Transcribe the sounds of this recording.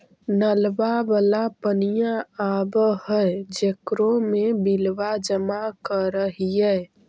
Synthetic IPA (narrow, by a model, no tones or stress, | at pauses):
nəlbabəlapənijãabhəd͡ʒekɾomebilʋad͡ʒəmakəɾəɦiɛ